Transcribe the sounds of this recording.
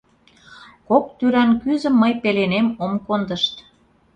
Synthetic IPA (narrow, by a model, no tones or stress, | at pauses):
kok̚t̪yɾænkyzə̆mːəjpelenemomkond̪əʃt̪